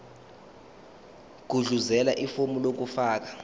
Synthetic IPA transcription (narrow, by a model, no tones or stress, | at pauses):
ɡ̥̬ʱuɮuzɛlaʔifomulok̬ufaːk̬ḁ